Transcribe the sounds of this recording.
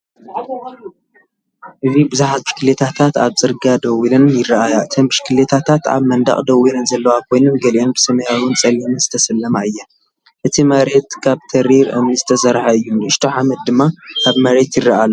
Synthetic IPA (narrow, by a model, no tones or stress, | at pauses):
ʔɨzibɨzuħazmɨʃkʰɨlet̪ʰat̪ʰat̪aβt͡sʼɨɾɡad̪ɐwilɨnjɪrɐʔajaɨt̪ʰɐmbɨʃkʰɨlet̪ʰat̪ʰat̪a̰βmɐnd̪a̰χʼd̪ɐwilɨnzɐlːɐwakʰo̞jnɨmɡɐliʔonbɨsɐmɐhawɨnt͡sʼɐlinɨnzɨ̥t̪ʰɐsɐlːɐmaɨjːa | ʔɨt̪ʰimɐɾe̞t̪kʰaβt̪ʰɐɾiɾʔɨ̰mnɨzɨ̥t̪ʰɐsɐɾħaɨjːunɨʃt̪ʰoħamɐt̪̚d̪ɨmːakaβmɐɾe̞t̪jɪrːɐʔalː